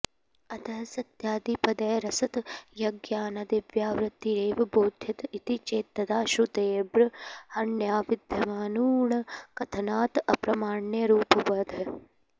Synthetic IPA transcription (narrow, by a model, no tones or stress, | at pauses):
ɐt̪ɐɦsɐt̪jaːd̪ipɐd̪ɐjɐɾɐsɐt̪jɐɡjaːnɐd̪eːʋjaːʋɾɨt̪ːiɾeːʋɐboːd̪ʱjɐt̪it̪it͡ʃeːt̪ːɐd̪aːʃut̪eːbɾɐhɐɳjaːʋid̪ʱjɐmaːnuːɳɐkɐt̪ʰɐnaːt̪ɐpɾɐmaːɳjɐɾuːpɐʋɐd̪ʱ